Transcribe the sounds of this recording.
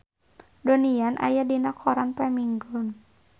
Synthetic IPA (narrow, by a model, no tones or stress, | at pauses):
donianʔa̰jadinakʰɔɾanpɛmiŋɡɔn